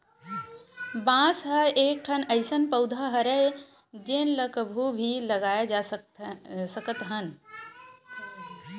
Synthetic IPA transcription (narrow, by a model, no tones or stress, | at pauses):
bãːsɦəeːk̚ʈʰənəɪsənpəʊd̪ʱaɦəɾəe | d͡ʒenləkəbʱubʱilɐɡaːjad͡ʒa | səkət̪ɦən